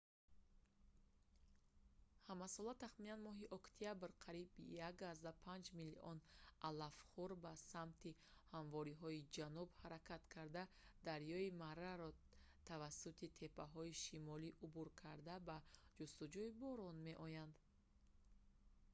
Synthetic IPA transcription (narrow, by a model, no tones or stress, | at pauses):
hamasɔlat̪aχminanmɔɦiʔɔkt̪ʰiabɾqʰaɾibjaɡazd̪apʰand͡ʒmiliʔɔnalafχuɾbasamt̪ʰihaɱvɔɾiɦɔid͡ʒanubhaɾakʰat̪kʰaɾd̪ad̪aɾjɔimaɾaɾɔ | t̪ʰavasːut̪ʰit̪ʰe̞pʰaɦɔiʃimɔliʔubuɾkʰaɾd̪abad͡ʒust̪ud͡ʒuibɔɾɔnme̞ʔɔjand̪